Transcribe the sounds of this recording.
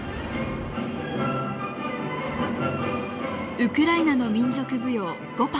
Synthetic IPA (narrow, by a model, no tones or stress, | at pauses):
ɯ̟kɯ̟ɾainano̞mʲĩnzo̞kɯ̟bɯ̟jo̞ː | ɡ̥opa